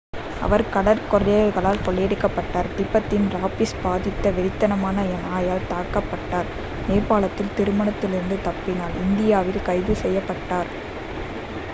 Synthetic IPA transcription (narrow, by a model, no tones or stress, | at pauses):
ɐ̰ʋɐɾkɐɽɐɾkɔɾɐɐɾɣɐɭaːlkɔɭːɛːɽɯkːɐpːɐʈːaːɾd̪ɪpːɐt̪ːɪnɾaːpɪsbaːðɪt̪ːɐʋɛɾɪt̪ːɐnɐmaːnɐɛnaːjaːlt̪aːkɐpːɐʈːaːɾ | meːpaːɭɐt̪ːɪlt̪ɪɾɯmɐɳɐt̪ːɪlɪɾɯnd̪ɯt̪ɐpːɪnaːlɪnd̪ɪjaːʋɪlkɐɪðɯsɛjːɐpːɐʈːaːɾ